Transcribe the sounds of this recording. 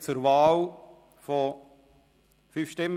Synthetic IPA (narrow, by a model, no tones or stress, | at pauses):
t͡suɾvɑːl | fɔ | fyːfʃtɪmː